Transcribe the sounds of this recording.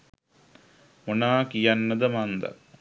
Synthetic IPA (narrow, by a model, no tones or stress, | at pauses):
munaːkijanːəd̪əmand̪ɐ̰